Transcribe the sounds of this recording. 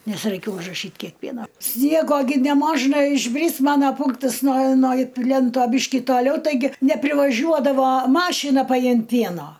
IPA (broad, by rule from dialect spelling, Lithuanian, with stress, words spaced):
ˈnʲɛs rɐɪˈkʲeːj ʊʒrɐˈʃʲiːt ˈkʲiɛk ˈpʲiɛnoː ˈsʲnʲiɛɡoː ɡʲɪ nʲɛˈmoːʒnɐ ɪʒʲˈbʲrʲɪs ˈmɑːnɐ ˈpʊŋktɐs noː noː ˈpʲlʲɛntoː ˈbʲiːʃʲkʲɪ toːˈlʲɛʊ tɐɪˈɡʲɪ nʲɛpʲrʲɪʋɐˈʒʲuɔdɐʋoː ˈmɑːʃʲɪnɐ pɐˈjɪmt ˈpʲiɛnoː